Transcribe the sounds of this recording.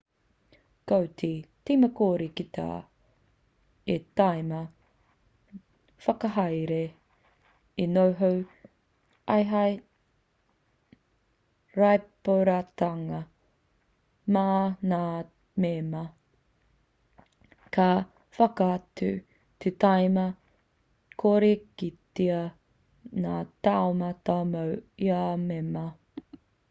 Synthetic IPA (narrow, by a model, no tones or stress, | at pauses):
kowtʰitiːmɐkoːɾikita̰ | etajmɐ | fɐkɐɦɐjɾe | inowɦow | ʔɐjɦɐj | ɾajpoɾataŋɐ | maːnaː | memɐ | ka | fɐkaɐtʉ | tʰetajmɐ | kʰoɾekit̪eɐ | naːtaomɐtamɐwiamemɐ